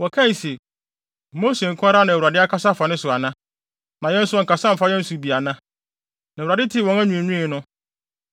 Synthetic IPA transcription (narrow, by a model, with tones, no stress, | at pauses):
wɔ˨kʰã˦˨se˨ | mo˦se˨ŋ̩˨kʰʊ˦a˦ɾa˦nã˨wu˨a˨dɪ˦a˦kʰa˦sa˦fa˨nɪ̃˦sʊ˨a˨nã˦ | nã˨jɛ˦n̩˦sʊ˦ɔ˨ŋ˨ka˨sã˦m̩˨fa˦jɛ̃˦n̩˦su˨bi˨a˨nã˦ | nã˨ɾa˨dɪ˦tʰɪ˦wɔ̃˨ŋæ˦ɲũ˨ɲũ˦i˨˦nʊ̃˦